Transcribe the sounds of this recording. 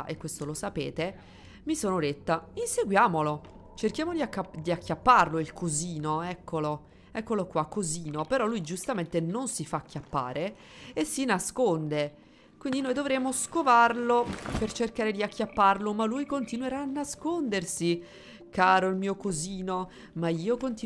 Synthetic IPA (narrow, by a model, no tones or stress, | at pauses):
ʔekːwest̪olosapḛːt̪e | misoːnod̪et̪ːainseɡwjaːmolo | t͡ʃerkjaːmod̪iakːad̪iakːjapːarloilkʰoziːnoɛkːolo | ɛkːolokːwakːoziːnopeɾɔlːujd͡ʒust̪ament̪enonsifaːkːjapːa̰ːɾʔeː | sːinaskond̪e | kwind̪inoːjd̪ovɾɛmoskovarlopert͡ʃerkaːɾed̪iakʰːjapːarlomalːujkont̪inweɾaːnːaskond̪ersi | kaːɾoilmiːokoziːno | maiːokont̪